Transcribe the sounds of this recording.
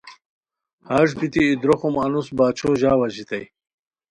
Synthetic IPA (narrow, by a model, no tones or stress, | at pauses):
haʐbit̪iːd̪ɾoxumɐnusbaːt͡ɕʰoːʑaːwɐʑit̪ɐj